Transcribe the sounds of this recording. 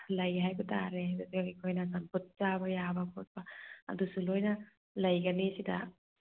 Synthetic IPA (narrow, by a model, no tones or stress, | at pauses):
lɐjɦajbɐtʰaɾedasikʰojnɐsamput̚t͡ʃabɐjabɐkʰɔt̚bɐɐ̰dusulojnɐ | lɐjɡɐnisidɐ̰